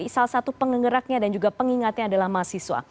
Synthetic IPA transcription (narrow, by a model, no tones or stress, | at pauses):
salahsat̪upəŋəŋəɾak̚ɲadand͡ʒuɡapəŋiŋat̪ɲaːdalahmasiswa̰